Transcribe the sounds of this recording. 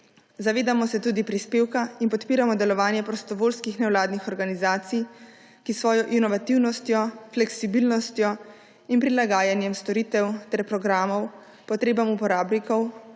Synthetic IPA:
zaʋeːd̪amɔsɛt̪uːd̪ipɾispeːwkainpɔt̪piːɾamɔd̪ɛlɔʋaːnjɛpɾɔst̪ɔʋoːlskixnɛwlaːd̪nixɔɾɡanizaːt̪sij | kisʋɔːjɔʔinɔʋat̪iwnɔst̪jɔflɛksibiːlnɔst̪jɔ | inpɾilaɡaːjanjɛmst̪ɔɾiːt̪ɛwt̪ɛɾpɾɔɡɾaːmɔw | pɔt̪ɾeːbamupɔɾaːbnikɔw

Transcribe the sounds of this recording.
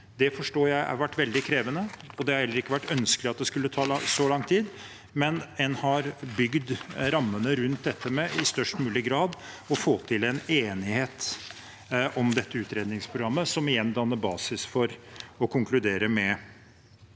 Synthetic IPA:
d̪ɛfɔʂʈoːjæɪɑ̰ɾʋæʈːʋɛld̪ɪkʰɾeːʋənəɔd̪ɛhɑɾhɛlːəɾɪkːəʋæʈːœnskəlɪɑt̪̚d̪ɛskʉlːət̪ʰɑːlɑsɔlɑŋt̪ʰiːd̪ | mɛnɛnhɑɾbʏɡd̪ɾɑmːənəɾʉnt̪̚d̪ɛt̪ʰːəmɛɪst̪œʂʈmʉːlɪɡɾɑːd̪ | ɔfoːt̪ʰɪlɛneːnɪheːt̪ | ʔɔmd̪ɛt̪ːəʉːt̪ɾeːd̪nɪŋspʰɾʊɡɾɑmːəsɔmɪjɛnd̪ɑnːəbɑːsɪsfɔɾɔkʰʊŋklʉd̪eːɾəmɛ

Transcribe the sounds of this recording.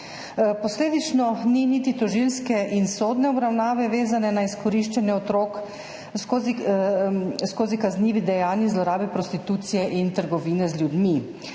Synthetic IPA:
pɔsleːd̪it͡ʃnɔninit̪it̪ɔʒilskɛʔinsoːd̪nɛɔbɾawnaːʋɛʋeːzanɛnaiskɔɾiʃt͡ʃɛnjɛɔt̪ɾoːk | skozi | skoːzikazniːʋid̪ɛjaːnizlɔɾaːbɛpɾɔst̪it̪uːt̪sijɛʔint̪əɾɡɔʋiːnɛzlʲjud̪mi

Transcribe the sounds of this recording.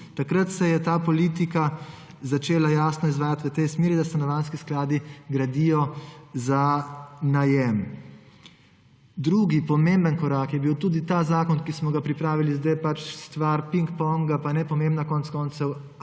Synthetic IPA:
t̪akɾat̪sɛjɛt̪aːpɔliːt̪ika | zat͡ʃeːlajaːsnɔizʋaːjat̪ʋət̪ɛjsmeːɾid̪ast̪anɔʋanskisklaːd̪iɡɾad̪ijɔzanajɛm | d̪ɾuːɡipɔmembənkɔɾaːkjɛbiwt̪uːd̪it̪aːzaːkɔnkismɔɡapɾipɾaːʋilizd̪ajpat͡ʃst̪ʋaɾpiŋkpɔŋɡapanɛpɔmẽːmbnakɔntskɔnt̪sɛw

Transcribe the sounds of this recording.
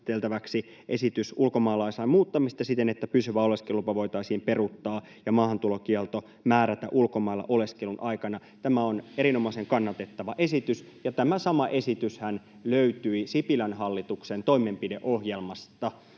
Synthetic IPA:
t̪elt̪æʋæksi | ʔe̞sit̪ysulko̞mɑːlɑisɑimuːt̪ːɑmist̪ɑsit̪enet̪ːæpysyʋæo̞leskelupɑʋo̞it̪ɑisiːmperut̪ːɑː | jɑmɑːhɑnt̪ulok̟iɛlt̪o̞ | mæːɾæt̪æ̰ʔulkomɑilːɑ̰ʔo̞le̞skelunʔɑikɑnɑ | t̪æmæone̞ɾino̞mɑiseŋkɑnːɑt̪et̪ːɑʋɑʔe̞sit̪ys | jɑt̪æmæsɑmɑʔe̞sit̪yshæn | løyt̪yisipilænɦɑlːit̪uksent̪o̞imempideʔohjelmɑst̪ɑ

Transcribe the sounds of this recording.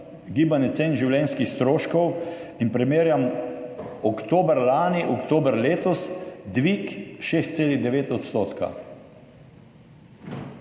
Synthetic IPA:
ɡiːbanɛt̪seːnʒiwlʲɛnskixst̪ɾoːʃkɔwinpɾɛmeːɾjam | ɔkt̪oːbəɾlaːniʔɔkt̪oːbəɾleːt̪ɔsd̪ʋikʃeːst̪seːliɣd̪ɛʋeːt̪ɔt̪st̪oːt̪ka̰

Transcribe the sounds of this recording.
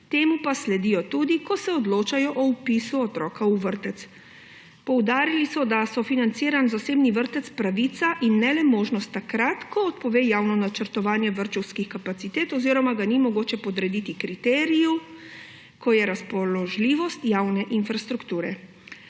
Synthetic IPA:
t̪eːmupaslɛd̪iːjɔt̪ud̪ikɔsɛɔd̪loːt͡ʃajɔʔɔpisuɔt̪ɾɔːkauʋəɾt̪ɛt̪s | pɔwd̪aːɾilisɔd̪asɔfinant̪siːɾanzaseːbniʋəɾt̪ɛt̪spɾaʋit̪saʔinːɛlɛmoːʒnɔst̪ːakɾat̪kʰɔɔt̪pɔʋeːjaːwnɔnat͡ʃəɾt̪ɔʋaːnjɛʋəɾt͡ʃɔwskixkapat̪sit̪eːt̪ɔziːɾɔmaɡanimɔɡoːt͡ʃɛpɔd̪ɾɛd̪it̪ikɾit̪ɛːɾiju | kʰɔjɛɾaspɔlɔʒliːʋɔst̪jaːwnɛʔinfɾast̪ɾukt̪uːɾɛ

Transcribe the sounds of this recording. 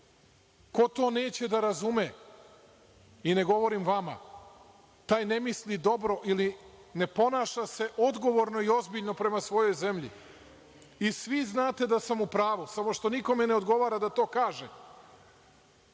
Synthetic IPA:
ko̞t̪o̞ːne̞ːt͡ɕe̞d̪aɾazume | ine̞ɡo̞ʋo̞ɾimʋama̰ | t̪aːjne̞mislid̪o̞bɾo̞ʔiline̞po̞naːʃase̞ʔo̞d̪ɡo̞ʋo̞ɾno̞io̞zbiʎno̞pɾe̞masʋo̞jo̞jze̞mʎḭ | isʋiznaːt̪e̞d̪asamupɾaːʋusamo̞ʃt̪o̞niko̞meneo̞d̪ɡo̞ʋaːɾad̪at̪o̞ːkaːʒḛ

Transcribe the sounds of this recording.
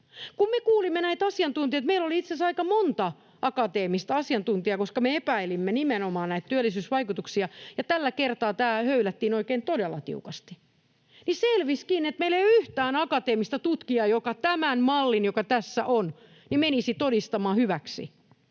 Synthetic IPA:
kummekuːlimːenæit̪ɑsiɑnt̪unt̪iɑet̪meiloliit̪sesɑikɑmont̪ɑ | ʔɑkɑt̪eːmist̪ɑɑsiɑnt̪unt̪iɑkoskɑmeepæilimːenimenomɑːnnæit̪t̪yælːisyːsʋɑikut̪uksiɑjɑt̪ælːækert̪ɑːt̪æːhøylæt̪ːiːnoikeːnt̪odelːɑt̪ḭukɑst̪i̥ | niselʋiskiːnet̪meilːejoyht̪æːnɑkɑt̪eːmist̪ɑt̪ut̪kiɑjokɑt̪æmænmɑlːinjokɑt̪æsːæʔon | nimenisit̪odist̪ɑmɑːhyʋæksḭ

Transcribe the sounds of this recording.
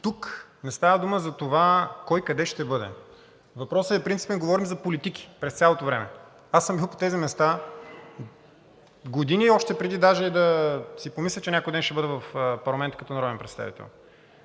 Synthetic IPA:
t̪uknɛst̪avəd̪uməzɐt̪ovakɔjkɐd̪ɛʃt̪ɛbɤd̪ɛ̰ | vɐpɾɔsəɛpɾint̪si̥pɛnɡovɔɾimzɐpolit̪iki̥pɾɛst̪sʲalˠot̪ovɾɛmɛ̰ | asəmbilˠpo̥t̪ɛzimɛst̪a | ɡod̪iniɔʃt̪ɛpɾɛd̪id̪aʒɛid̪ɐsipomislʲɛt͡ʃɛnʲakojd̪ɛnʃt̪ɛbɤd̪ɛvɐfpɐɾlˠɐmɛnt̪ə̥kɐt̪ɔnɐɾɔd̪ɛnpɾɛt̪st̪a̰vḭt̪ɛ̰lˠ

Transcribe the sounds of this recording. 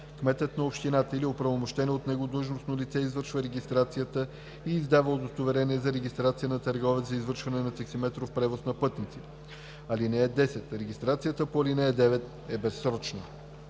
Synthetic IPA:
kmɛt̪ət̪nɐopʃt̪inat̪əiliopɾɐvomoʃt̪ɛnɛot̪nɛɡod̪əʒnosnolit̪sɛizvɤɾʃvəɾɛɡʲist̪ɾat̪sijət̪ə | iːzd̪avəod̪ost̪ovɛɾɛniɛzɐɾɛɡʲist̪ɾat̪sijənɐt̪əɾɡɔvɛzɐizvɤɾʃvɐnɛnɐt̪ɐksimɛt̪ɾofpɾɛvosnɐpɤt̪nit̪si | ɐlinɛɛd̪ɛsɛt̪ɾɛɡʲist̪ɾat̪sijət̪əpoɐlinɛɛd̪ɛvɛt̪ | ɛbɛsːɾɔt͡ʃnə̰

